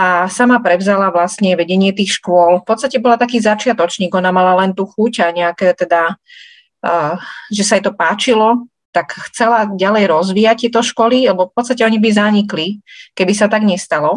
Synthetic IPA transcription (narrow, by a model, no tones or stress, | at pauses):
asamapɾɛʊzalaʋlasɲɛʋɛɟɛɲɪɛt̪iːxʃkʊɔlfpɔt̪st̪acɛbɔlat̪akiːzat͡ʃɪat̪ɔt͡ʃɲiːɡɔnamalalɛnt̪uːxucaɲɛakɛt̪ɛd̪a | ʒɛsaijt̪ɔpaːt͡ʃilɔ | t̪akxt͡sɛlaɟalɛjɾɔzʋiːact̪ɛt̪ɔʃkɔlialɛbɔfpɔt̪st̪acɛɔɲibizaɲiklikɛbisat̪aɡɲɛst̪alɔ